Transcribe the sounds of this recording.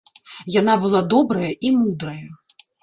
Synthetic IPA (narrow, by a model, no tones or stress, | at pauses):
janabɨlˠad̪ɔbɾɐjɐʔimud̪ɾɐjɐ